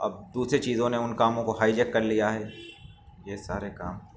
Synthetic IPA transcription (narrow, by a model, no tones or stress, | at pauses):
ɐ̰b̚d̪uːsɾet͡ʃiːzõneʊnkaːmõkoɦaːɪd͡ʒɛkːɐɾlijaɦɛː | jeːsaːɾekaːmɛ